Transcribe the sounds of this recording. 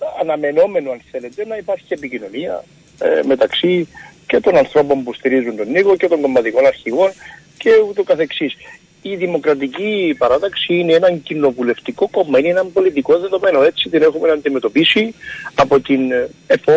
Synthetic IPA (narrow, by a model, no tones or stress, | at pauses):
ɐnɐme̞no̞me̞noɐnθe̞le̞t̪e̞nɐipɐɾçiepicino̞niɐ̰ | me̞t̪ɐksice̞t̪o̞nɐnθɾo̞po̞mpust̪iɾizunt̪o̞nːiɣoce̞t̪o̞ŋɡo̞mːɐt̪iko̞nɐɾçiɣo̞n | ce̞ut̪okɐθe̞ksis | iðimo̞kɾɐt̪̬icipɐɾɐt̪ɐksiineenɐɲcino̞vule̞ft̪iko̞ko̞mːɐineenɐmbo̞lit̪ikoðe̞ðo̞me̞no̞e̞t͡sit̪ine̞xume̞nɐnd̪ime̞t̪o̞pisiɐpo̞t̪inef